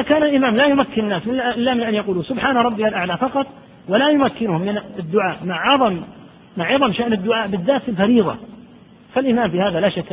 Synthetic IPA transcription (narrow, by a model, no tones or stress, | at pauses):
ʔɪakaːnalʔɪmaːmlaːjʊmakːɪnnːaːsmɪʔɪlːamɪnʔanjɑquːluːsʊbħaːnaɾˤɑbːɪalʔaʕlafɑqɑt̪ˤ | walajʊmakːɪnʊhʊmːɪnɪd̪ːʊʕaːʔmaʕʕɑðˤɑmː | aʕɑðˤɑmʃaʔnɪd̪ːʊʕaːʔbɪðːaːt̪fɪlfɑɾiːðˤɑ̰ | falʔɪmaːmfiːhaːðalaːʃakː